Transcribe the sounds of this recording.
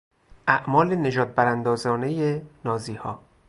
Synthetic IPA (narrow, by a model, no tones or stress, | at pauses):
ʔæʔmɒːlene̞ʒɒːd̪̚bæɾænd̪ɒːzɒːne̞jenɒːziːhɒː